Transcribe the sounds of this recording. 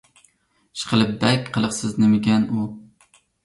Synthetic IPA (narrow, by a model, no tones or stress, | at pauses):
ʃɨ̥qʰɨlˠɨp̚bɛkʲqʰəlˠɨqsɪznɪmɪɡʲɛnu